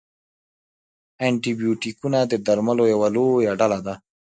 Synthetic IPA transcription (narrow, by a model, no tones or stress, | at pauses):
eɳʈibijuːʈikunad̪ed̪ɐɾmɐlojɐwaloːjaɖalad̪a